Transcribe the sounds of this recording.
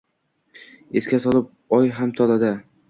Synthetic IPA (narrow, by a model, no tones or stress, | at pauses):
e̞skʲasɒlˠɪp̚ | ɒjɦamt̪ʰɒlad̪ɪ